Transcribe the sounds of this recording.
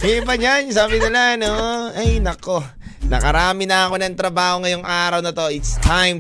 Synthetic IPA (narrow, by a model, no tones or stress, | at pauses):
ʔɛbɐd͡ʒansaːbɪnɪlaɐnoɐjnɐko̞ | nɐ̰kɐɾaːmɪnɐɐko̞nɐŋt̪ɾɐbaːho̞ŋɐjoŋʔaːɾɐwnɐt̪o̞ʔɪt̪st̪ʰajm